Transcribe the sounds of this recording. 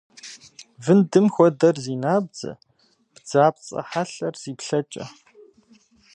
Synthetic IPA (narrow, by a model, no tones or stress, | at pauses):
vɨndɨmxʷɔdɐrziːnaːb̚d͡zɐ̰ | b̥d͡zaːp̚t͡sʼɐ̰ħaɬɐrz̥iːpɬɐt͡ʃʼɐ̰